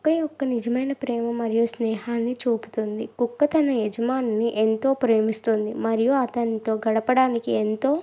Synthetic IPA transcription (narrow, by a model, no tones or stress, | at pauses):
kɐjɔkːɐnid͡ʒɐmɐjnɐpɾɛːmɐmɐɾijusnɛːɦaːnːit͡ʃuːpu̥t̪und̪ikukːɐt̪ɐnɐed͡ʒɐmaːnɐnːiʔent̪o̞ːpɾeːmist̪und̪imɐɾijuɐt̪ɐnt̪oːɡɐɽɐpɐɽaːnikient̪o̞ː